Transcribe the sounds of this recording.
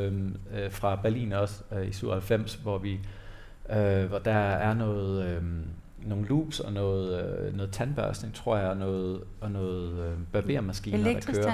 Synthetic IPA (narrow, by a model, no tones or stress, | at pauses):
mfʁɑ̈b̥æɐlḭːnɒ̽sisyʊ̰ɐhælfem̰sʋɒʋi | øʋɒd̥ɑ̈æɐnɔ̽ːð̩ˠø | no̝ːn̩lṵːb̥sɒ̽nɔːð̩ˠnɔ̽ːð̩ˠt͡sʰænb̥ɶɐsne̝ŋt͡sʰʁo̝ɐ̰jɑ̈ɒnɔːð̩ˠ | ɒnɔːð̩ˠøb̥æɐb̥e̝ɐmæsɡ̥iːnɐd̥ækøːɐ